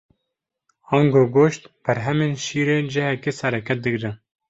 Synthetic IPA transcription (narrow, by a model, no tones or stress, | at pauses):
ɑŋɡoːɡoːʃt̪b̥ɛɾɦɛmeːnʃiːɾeːd͡ʒɛhɛkeːsɛɾɛkʰɛt̪̚d̪ɨɡɾɨ